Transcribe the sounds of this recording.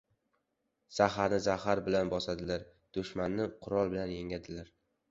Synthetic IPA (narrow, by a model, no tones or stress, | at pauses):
z̥ahaɾnɪzahaɾbɪlanbɒsad̪ɪlaɾ | d̪̥ʊʃmanːɪqʰʊɾɒlˠbɪlanjeŋad̪ɪlaɾ